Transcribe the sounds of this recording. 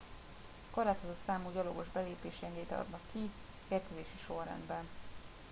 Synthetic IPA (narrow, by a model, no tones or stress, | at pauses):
koraːt̪o̞zot̪saːmuɟɒloɡo̞ʒbɛleːpeːʃɛnd̪ejit̪ɒ̰d̪nɒkːi | eːrk̪øveːʃiʃo̞rːɛ̰nd̪bɛn